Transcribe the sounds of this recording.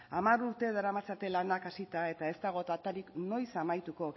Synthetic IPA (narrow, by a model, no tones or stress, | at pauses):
amaɾuɾt̪e̞ðaɾamat͡sat̪e̞lanakasit̪ae̞t̪ae̞st̪aɣ̞o̞t̪at̪aɾikno̞jsamajt̪uko̞